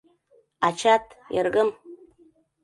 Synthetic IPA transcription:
at͡ʃʰatʰja̰rkʼɨm

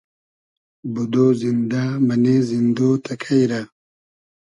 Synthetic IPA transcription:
bud̪oːzind̪amɐnezind̪oːt̪ʰɐkʰajɾa

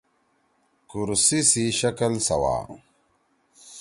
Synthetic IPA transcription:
kuɾsisiʃakalsa̰wa̰

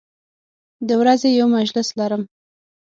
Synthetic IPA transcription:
d̪əwɾazejawmaʒlɪslaɾəm

